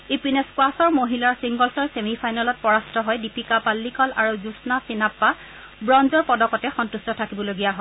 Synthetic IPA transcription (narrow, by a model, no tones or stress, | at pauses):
ipinɛskwasɔɹmoɦilaɹsiŋɡɔlsɔɹsemipʰajnalɔt̚pɔɹastʰɔɦɔjdipikapalːikɔlaɹuzusnasinapːa | bɹɔnzɔɹpɔdɔkɔtɛxɔntustɔtʰakibɔloɡijaɦɔ